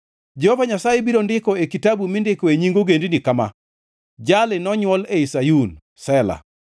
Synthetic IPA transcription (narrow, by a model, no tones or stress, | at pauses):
d͡ʒɛhɔvaɲasajebiɾondɪkɔekitabumɪndɪkɔeɲiŋɡoɡendinikama̰ | d͡ʒalɪnɔɲwɔleisajun | sɛla̰